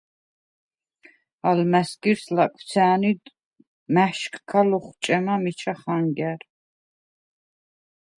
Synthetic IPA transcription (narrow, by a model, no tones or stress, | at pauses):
almæsɡiɾslakʼw̥̪sʰɛːnid̪ | mæʃkʰkʰalɔχt͡ʃʼɛmamit͡ʃʰaχaŋɡɛɾ